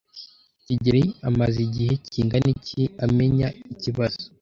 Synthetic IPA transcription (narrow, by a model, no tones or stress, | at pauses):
ciɟiɾiamaziɟiheciːŋɡaniciame̞ɲaiciβaz̥o